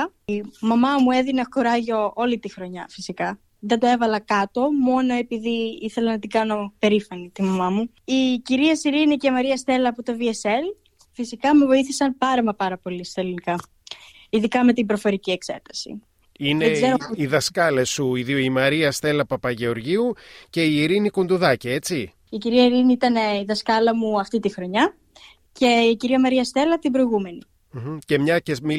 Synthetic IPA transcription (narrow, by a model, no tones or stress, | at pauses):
mɐmɐmue̞ðinɐkoɾɐʝo̞o̞lit̪ixɾo̞ɲɐfisikɐ | ðed̪oe̞vɐlɐkɐt̪o̞mo̞no̞e̞piðiiθe̞lɐnɐt̪ikɐno̞pe̞ɾifɐnit̪imɐmɐmu | iciɾiɐsiɾinicemɐɾiɐst̪e̞lɐːpot̪o̞viese̞l | fisikɐme̞vo̞iθisɐnpɐɾɐmɐpɐɾɐpo̞list̪ɐlinikɐ | iðikɐme̞t̪ibɾo̞fo̞ɾicie̞kse̞̰t̪ɐ̥sḭ | ineeɡzeɾoiðɐskɐlesuiðioimɐɾiɐst̪e̞lɐpɐpɐʝe̞o̞ɾʝiuce̞iːɾinikond̪uðɐcɐe̞t͡si | iciɾiɐiɾiniit̪ɐneiðɐskɐlɐmuɐft̪it̪ixɾo̞ɲɐ | ce̞iciɾiɐmɐɾiɐst̪e̞lɐt̪ibɾo̞iɣume̞ni | ce̞mɲɐcemi